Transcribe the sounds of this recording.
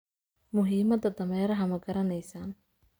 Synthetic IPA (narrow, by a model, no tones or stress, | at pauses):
mʊɦiːmɐd̪ɐd̪ɐmɛːɾɐɦɐmɐɡɐɾɐnɛjsaːn